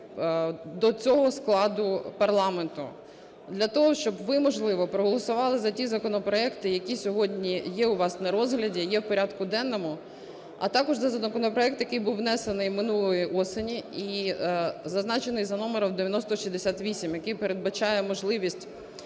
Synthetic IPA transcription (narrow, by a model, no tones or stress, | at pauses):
d̪ɔt͡sʲɔɦɔsklˠɑd̪ʊpɐrlˠɑment̪ʊ̰ | d̪lʲɐt̪ɔɦɔʃt͡ʃɔbʋɪmɔʒlˠɪʋɔpɾɔɦɔlˠɔsʊʋɑlˠɪzɐtʲizɐkɔnɔpɾɔɛkt̪ɪjɐkʲisʲɔɦɔdʲnʲijɛʊʋɑsnɐɾɔzɦlʲɐdʲijɛwpɔɾʲɑd̪kʊd̪ɛnːɔmʊ | ɐ̰t̪ɑkɔʒzɐzɐnɐkɔnɔpɾɔɛk̚t̪jɐkɪjbuwːnɛsenɪjmɪnulˠɔjiʔɔsenʲii | zɐznɑt͡ʃenɪjzɐnɔmeɾɐwd̪eʋʲjɐnɔst̪ɔʃizd̪esʲat̪ʋʲisʲimjɐkɪjpeɾed̪̚bɐt͡ʃɑjɛmɔʒlˠɪʋʲisʲtʲ